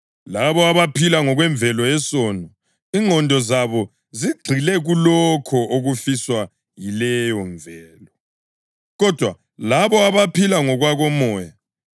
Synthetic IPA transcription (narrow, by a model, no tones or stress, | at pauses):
laβɔaβapʰilaŋɔɣwɛɱbvʱɛlɔɛsɔnɔ | iŋʱɔndʱɔzaβɔ | ziɡ͡ǀʱilɛɣulɔkʰɔoɣufiswa | jilɛjɔɱvʱɛːlɔ | ɣɔd̥ʱwa | laβɔaβapilaŋɔɣwaɣɔmɔːja